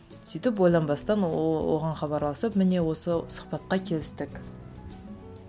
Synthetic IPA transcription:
syjt̪ɪpwojlˠɑnbɑst̪ɑnwo̰ʁɑɴχɑβɑɾlˠɑsəpmɪne̞wo̞səsʊ̥χpɑt̪̚qɑkʲʰe̞lɪst̪ɪkʲ

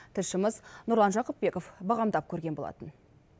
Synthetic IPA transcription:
t̪ʰɪlʃɪməznʊɾlˠɑnʒɑqəp̚be̞kofbɑʁɑmd̪ɑp̚kʲʰɵɾɡʲe̞nbolˠɑ̰t̪ən

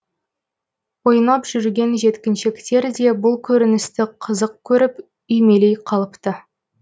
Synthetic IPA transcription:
wo̞jnɑpʒ̥ʏɾɡʲe̞nʒe̞t̪kʲɪnʃekt̪e̞ɾd̪e̞bʊlˠkʲʰɵɾɪnɪst̪ɪqʰəzəq̚kʲʰɵɾɪp | ʏjme̞le̞jqʰɑlˠəpt̪ə

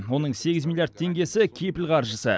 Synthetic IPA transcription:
wo̞nəɴse̞ɡʲɪzmilˠjaɾd̪̚t̪ʰe̞ŋɡʲe̞sɪkʲʰejpɪlqʰɑɾʒəsə̰

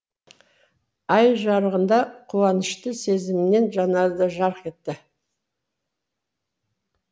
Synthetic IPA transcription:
ɑjʒɑɾəʁənd̪ɑqʰuwɑnəʃt̪əse̞zɪmɪne̞nʒɑnɑzd̪əʒɑɾqe̞t̪ːɪ

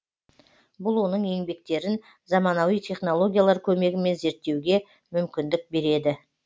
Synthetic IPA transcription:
bʊlˠwo̞nəɴe̞ŋbe̞k̚t̪e̞ɾɪn | zɑmɑnɑwijt̪ʲʰe̞χno̞lˠo̞ɡʲijalˠɑɾkʲʰɵme̞ɡʲɪme̞nze̞ɾt̪ːe̞wɡʲe̞ | mʏmkʲɪnd̪ɪk̚be̞ɾe̞d̪ɪ

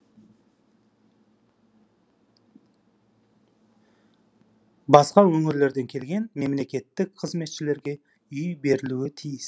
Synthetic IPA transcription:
bɑsqɑwɵŋɪɾle̞ɾd̪e̞ŋkʲʰe̞lɡʲe̞nme̞mle̞kʲe̞t̪ːɪkqʰəzme̞t̪ʃɪle̞ɾɡʲe̞ | ʏjbe̞ɾɪluɪt̪ʰijɪs

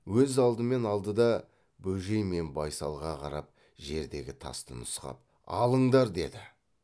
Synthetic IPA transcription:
wɵzɑlˠd̪əme̞nɑlˠd̪əd̪ɑ | bɵʒe̞jme̞nbɑjsɑlˠʁɑqʰɑɾɑp̚ | ʒe̞ɾd̪e̞ɡʲɪt̪ʰɑ̰st̪ənʊsqɑ̰p̚ | ɑ̰lˠəɴd̪ɑɾd̪e̞̰d̪ɪ

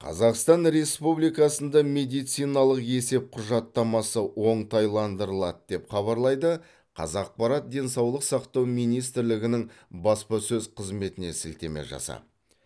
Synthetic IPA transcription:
qʰɑ̰zɑqst̪ɑnɾe̞spublijkɑsənd̪ɑme̞d̪ijt̪sijnɑlˠəqe̞se̞p̚qʰʊʒɑt̪ːɑmɑsəwo̞ɴt̪ɑjlˠɑnd̪əɾəlˠɑt̪d̪̥e̞pχɑβɑɾlˠɑjd̪ə | qʰɑ̰zɑq̚pɑɾɑt̪̚d̪e̞nsɑwlˠəqsɑqt̪ɑwmijnijst̪ɪɾlɪɡʲɪnɪŋbɑspɑsɵzqʰəzme̞t̪ɪne̞sɪlt̪e̞̰me̞̰ʒɑ̰sɑ̰

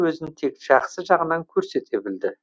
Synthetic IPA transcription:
wɵzɪnt̪ʰe̞kʒ̥ɑχsəʒɑʁənɑŋkʲʰɵɾse̞t̪e̞bɪld̪ɪ

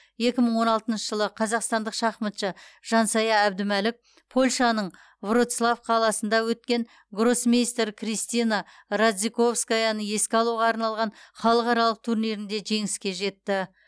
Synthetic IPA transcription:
je̞kʲɪməɴwo̞nɑlˠt̪ənʃəʒəlˠəqʰɑzɑqst̪ɑnd̪əqʃɑχmət̪ʃəʒ̥ɑnsɑjɑæbd̪ɪmælɪk̚ | pʰo̞lʲʃɑnəɴ | vro̞t̪slˠafqʰɑlˠɑsənd̪ɑwɵt̪̚kʲe̞ŋ | ɡro̞sminijst̪ɾkʰrijst̪ijna | ɾad̪ziko̞fskajɑnəŋe̞skʲɪɑlˠuʁɑːɾnɑlˠʁɑnχɑlˠəqɑɾɑlˠəq̚t̪ʰuɾneɾɪnd̪e̞ʒe̞ŋɪskʲe̞ʒe̞t̪ːɪ

